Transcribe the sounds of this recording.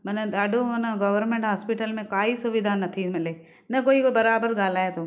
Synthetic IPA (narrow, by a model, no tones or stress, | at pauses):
mɐnəɗaːɖʱomɐnəɡɐʋəɾmẽːɳʈɦaːspɪʈəlmẽkaːisʊʋɪd̪ʱanɐt̪ʰimɪleː | nɐkoːikobɐɾaːbəɾɠaːl̤aːet̪ʰoː